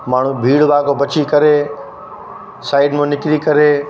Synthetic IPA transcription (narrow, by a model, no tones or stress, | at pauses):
maːɳ̤ũbʱiːɽʋaːkobɐt͡ɕikɐɾe | saːɪɖmẽnɪkɾikɐɾeː